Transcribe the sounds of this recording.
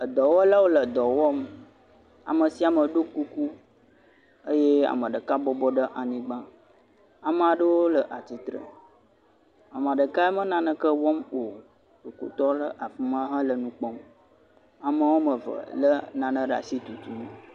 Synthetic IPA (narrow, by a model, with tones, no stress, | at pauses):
ə˨d̪ɔ˨wɔ˦la˦wo˦lə˨d̪ɔ˨wɔ˦m | a̰˨mə˨si˦a˨mə˨ɖo˦ku˦ku˦ | ə˦je˦a̰˨mə˨ɖə˨ka˦bɔ˦bɔ˦ɖə˦ʔa˨nĩ˦ɡ͡bã˦ | a˨mə˨a˨ɖə˦wo˦lə˨ʔa˨t͡ɕi˨t̪ɾə̰˨ | a˨m˨a˨ɖə˨ka˦e˦mə˦nã˨nə̃˦kə˦wɔ˦mwo˨ | to˨ko̰˨t̪ɔ˦lə˦ʔa˨fu˦mã˦ɦã˦lə˨nũ˦k͡pɔ˦m | a˨mə˦wo˦mə˨və̰˨lə˦nã˨nə̃˦ɖa̰˨si˦t̪u˨t̪u˦n˦